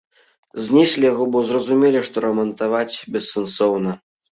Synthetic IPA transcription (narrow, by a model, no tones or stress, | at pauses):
zʲnʲɛsʲlʲijaɣɔbɔzrɐzumʲelʲiʂt̪ɔɾɐmɐnt̪avat͡sʲbʲɛsːɛnsɔwnɐ